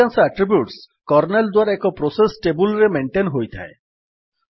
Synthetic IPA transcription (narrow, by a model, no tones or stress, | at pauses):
ansaʈɾibjuʈs | kɔɾneld̪waɾɛkɔpɾosesʈebulɾemeɳʈenɦojt̪ʰa̰e